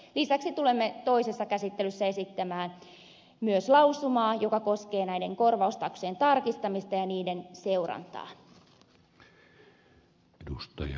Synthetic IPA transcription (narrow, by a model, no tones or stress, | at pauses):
lisæksit̪ulemːet̪o̞isesːɑkæsit̪ːelysːæesit̪ːæmæːn | myøslɑusumɑːjokɑko̞skeːnæideŋko̞rʋɑust̪ɑksoent̪ɑrkist̪ɑmist̪ɑjɑniːdenseurɑ̰nt̪ɑ̰ː | edust̪ɑjɑ